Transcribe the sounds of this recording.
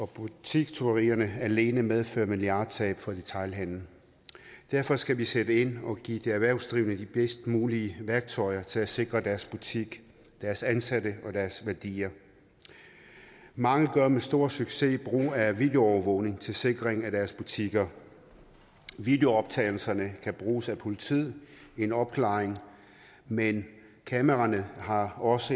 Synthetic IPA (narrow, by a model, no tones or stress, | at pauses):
ɒ̽b̥ut͡sʰiɡ̥t͡sʰo̝ɐʁiːɐnəæɐle̝ːnəmeðˠfø̰ɐmiliɑ̈ːd̥t͡sʰɛ̰ːb̥fʰɒ̽d̥e̝t͡sʰɑ̈ɪlɦæn̰n̩ | d̥æɐfɒ̽sɡ̥æʋised̥əe̝n̰ɒ̽ɡ̥ḭːd̥eæʋæɐʊsd̥ʁiʊnəd̥ib̥esd̥muːliəʋæɐɡ̥̚t͡sʰɒ̽ɪɐt͡sʰe̝læse̝ɡ̥ʁɐd̥æɐsb̥ut͡sʰiɡ̥ | d̥æɐsænsæɾəɒ̽d̥æɐsʋæɐd̥ḭːɐ | mɑ̈ŋəɡ̥ɶɐmesd̥o̝ːɐsyɡ̥se̝b̥ʁṵːæʋiːd̥e̝o̝ɒʊɐʋɔʊ̰ne̝ŋt͡sʰe̝lse̝ɡ̥ʁeŋæd̥æɐsb̥ut͡sʰiɡ̥ɐ | ʋid̥e̝o̝ɒ̽b̥̚t͡sʰɛ̰ɪl̩sɐnəkʰæb̥ʁuːsæpʰo̝lit͡sʰið̰ˠe̝nɒ̽b̥kʰlɑ̈ːeŋ | men | kʰæməʁɑnəhɑ̈ɒ̽sə